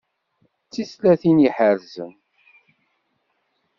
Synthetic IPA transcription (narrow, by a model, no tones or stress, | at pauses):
t͡sːislæθiniħəɾzə̰m